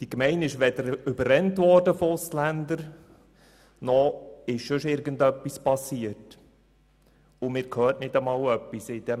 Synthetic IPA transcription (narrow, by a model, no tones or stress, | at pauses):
d̥ikmɛɪnɪʃʋɛdəɾʏbərːɛntʋɔɾd̥əfɔʊslændəɾ | nɔɪʃʃɵʃɪɾɡəndœpːispɑsiət | ʊmɪːɾkʰhøːɾtnɪdəmɑːlœpːisɪd̥ɛ